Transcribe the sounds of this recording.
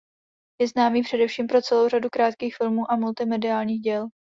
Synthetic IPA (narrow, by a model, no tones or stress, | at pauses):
jɛznaːmiːpr̝̥ɛdɛfʃiːmpɾo̞t͡sɛlowradukɾaːt̪kiːxfɪlmuːʔamult̪ɪmɛdɪaːlɲiːxɟɛl